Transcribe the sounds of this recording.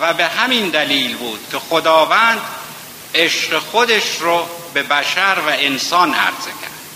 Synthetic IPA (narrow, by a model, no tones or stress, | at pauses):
væbehæmind̪æliːlbuːd̪̥kʲʰexod̪ɒːvænd̪ | eʃɢexod̪eʃɾobe̞bæʃæɾvæensɒːnæ̰ɾz̥ecʰæ̰ɾd̪̥